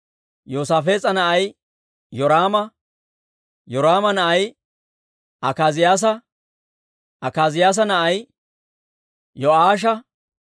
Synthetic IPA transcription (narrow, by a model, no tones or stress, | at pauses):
joːsaːfe̞ːt͡sʼɐnɐʔɐj | jɔɾaːmɐ | jɔɾaːmɐnɐʔɐj | ʔɐkaːzɪjaːs̬ɐ | ɐkaːzɪjaːs̬ɐnɐʔɐj | jɔʔaːʃ̬ɐ